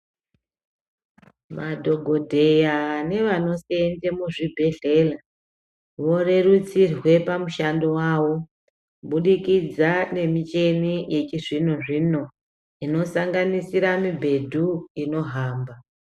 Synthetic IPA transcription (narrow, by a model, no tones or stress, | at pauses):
madʱo̞ɡʱo̞dʱe̞jane̞ʋano̞sendemuʐibʱe̞ɮe̞ːla | ʋo̞re̞rut͡sirwe̞pamuʃandowaːʋo̞ | ɓuɗikid͡zane̞mit͡ʃe̞nije̞t͡ʃiʐinoʐino̞ | ino̞saŋɡanisiɾamibʱe̞dʱuino̞ɦaːmba